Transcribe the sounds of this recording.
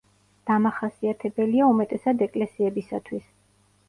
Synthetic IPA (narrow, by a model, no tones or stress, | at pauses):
d̪̥amaχasiat̪ʰɛbɛliaumɛt̪ʼɛsad̪ɛkʼlɛsiɛbisat̪ʰwis